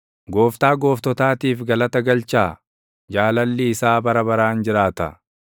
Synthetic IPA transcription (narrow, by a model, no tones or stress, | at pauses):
ɡo̞ːft̪aːɡo̞ːft̪ɔt̪aːt̪iːfɡɐlɐt̪ɐɡɐlt͡ʃaː | d͡ʒaːlɐlːɪːsaːbɐɾɐbɐɾaːnd͡ʒɪɾaːt̪ɐ̰